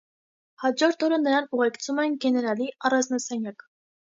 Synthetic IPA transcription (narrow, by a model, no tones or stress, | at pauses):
hɑd͡ʒɔɾt̪ʰɔɾənəɾɑnuʁɛkt͡sʰumɛnɡɛnɛɾɑliɑrɑnznɑsɑnjɑk